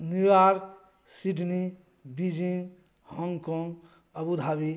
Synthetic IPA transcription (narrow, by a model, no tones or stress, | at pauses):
nijaɾ | siɖni | bid͡ʒiŋ | hɔŋɡkɔŋɡ | əbud̪ʱabi